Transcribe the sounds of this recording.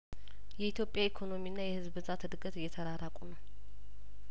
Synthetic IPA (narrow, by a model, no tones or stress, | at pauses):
jɛit̪ʰjo̞pʼjaikʰo̞no̞miɨnːajɛhɨzbɨzat̪ɨd̪ɨɡət̪ɨjːɛt̪ʰəɾaɾakʼunəw